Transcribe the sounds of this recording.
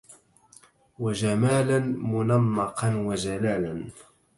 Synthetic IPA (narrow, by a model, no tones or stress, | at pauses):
wad͡ʒamaːlanmʊnɑmːɑqɑnwad͡ʒalaːlan